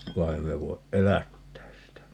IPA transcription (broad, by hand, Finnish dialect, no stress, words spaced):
ʋɑ ei me ʋoiʔ ʔelætːæːs sitæ